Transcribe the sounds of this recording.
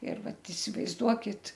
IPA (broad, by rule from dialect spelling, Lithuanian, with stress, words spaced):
ɪr ˈʋɐt ɪsʲɪʋɐɪzˈduɔkʲɪt